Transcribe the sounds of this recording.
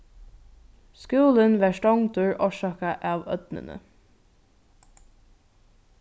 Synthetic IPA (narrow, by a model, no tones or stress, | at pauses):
skuːlənʋæʃʈɔŋd̪ʉɹʔɔʃɑːkaʔɑːʋœ̰t̪nə̰nə̰